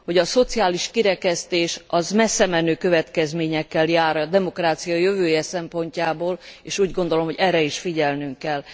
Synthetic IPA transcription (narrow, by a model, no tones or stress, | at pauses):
ho̞ɟɒso̞t̪siaːliʃkiɾɛkɛst̪eːʃɒzmɛsːɛmɛnøːkø̞vɛt̪kɛzmeːɲɛkːɛljaːɾɒd̪ɛmo̞kraːt̪sijɒjøvøːjɛsɛmpo̞ɲcaːboːleːʃuːɟɡo̞nd̪o̞lo̞mhoɟɛrːɛiʃfiɟɛlnyŋkːɛl